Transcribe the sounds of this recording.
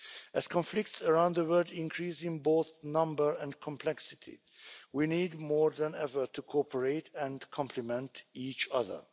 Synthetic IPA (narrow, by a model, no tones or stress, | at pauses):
æz̥kʰɔ̃nflɪk̚tsəɹãʊ̃nd̪ðəwɜ˞dɪ̃nkʰɹisɪ̃nboʊθnʌ̃mbə˞ɛ̃nkʰɔ̃mpʰlɛksɪtʰḭ | winiːd̚mɔɹðæ̃nɛvə˞tʰukʰɔpʰəɹeɪtɛ̃nkʰɔ̃mpʰləmɛ̃ntit͡ʃʌðə̰˞